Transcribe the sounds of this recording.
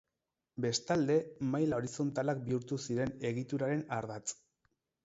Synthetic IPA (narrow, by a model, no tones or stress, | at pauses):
be̞st̪ald̪e̞majlao̞ɾiso̞nt̪alak̚biuɾt̪usiɾe̞ne̞ɣit̪uɾaɾe̞naɾðat͡s